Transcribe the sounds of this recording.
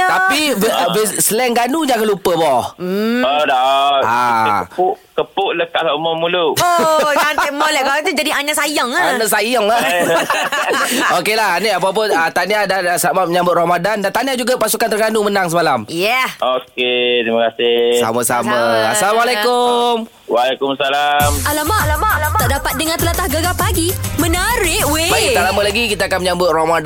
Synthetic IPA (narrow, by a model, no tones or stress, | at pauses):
t̪apibbəsəlɛŋɡanud͡ʒãkalupəbɔ | odɔʔaəpʊʔkəpʊʔləkaʔlaumɔmuluonɛmɔlɛʔɡat̪ud͡ʒadiaɲasajɔŋaanasajɔŋa | okelahaniap̬ap̬ʊnət̪aniadaasamaməɲãmbʊt̪̚romadandant̪aniad͡ʒuɡapasukant̪əɾɡanumənaŋsəmalamjɛoket̪iməkasɪsa̰masa̰maa̰salamalekʊm | walɛkʊmsalamalamalamaaʔdapat̪̚dəŋant̪əlat̪ahɡəɡapaɡimə̃naɾɪʔwebaialaməlaɡikit̪aːkanməɲãmbʊt̪̚romad